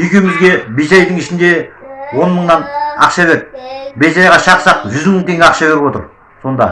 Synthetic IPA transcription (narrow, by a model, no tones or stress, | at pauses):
ʏjkʲemɪzɡʲe̞besɑjd̪əɴɪʃɪnd̪e̞wo̞nməɴnɑnɑqʃɑβe̞ɾbesɑjʁɑʃɑqsɑqʒʏzməɴt̪ʰeŋɡʲɑqʃɑbe̞ɾɪpwo̞t̪əɾ | so̞nd̪ɑ̰